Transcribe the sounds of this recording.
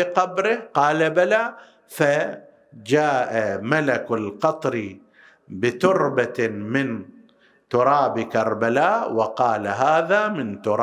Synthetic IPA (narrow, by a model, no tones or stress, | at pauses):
ɪqɑbɾɪhqɑːlabalaː | fa | d͡ʒaːʔamalakalqɑt̪ˤɾi | bɪt̪ʊɾbamɪn | t̪ʊɾˤɑːbkɑɾˤbalaːʔwɪqɑːlaɦaːðamɪnt̪ʊɾˤː